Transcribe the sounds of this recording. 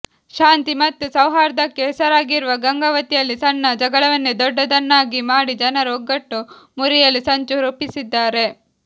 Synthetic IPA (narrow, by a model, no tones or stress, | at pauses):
ʃaːnt̪imɐt̪ːusɐwɦaːɾɐd̪ɐkːeɦɛsɐɾaːɡiɾuʋɐɡɐŋɡɐʋɐt̪ijɐlːisɐnːɐd͡ʒɐɡɐɭɐʋɐnːud̪ɔɖːɐd̪ɐnːaːɡimaːɽid͡ʒɐnɐɾoɡːɐʈːu | muɾijɐlːisɐɲt͡ʃuɾupːisid̪ːaːɾe̞